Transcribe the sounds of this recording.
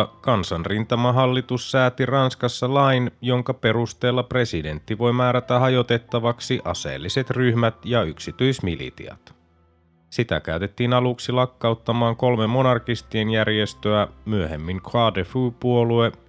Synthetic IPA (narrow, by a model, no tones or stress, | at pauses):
kɑnsɑnrint̪ɑmɑɦɑlːit̪usːæːt̪irɑnskɑsːɑlɑjnjo̞ŋkɑpe̞ɾust̪e̞ːlːɑpre̞side̞nt̪ːiʋo̞jmæːɾæt̪æɦɑjo̞t̪e̞t̪ːɑʋɑksiʔɑ̰sḛːlːise̞t̪ryhmæt̪jɑyksit̪yijsmilḭt̪ḭɑ̰t̪ | sit̪æ̰k̟æyt̪e̞t̪ːiːnɑluksilɑkːɑut̪ːɑmɑːŋko̞lmemːo̞nɑrkist̪ienjærje̞st̪øæmyøɦemːiŋkʰɑdefuːpuo̞lue̞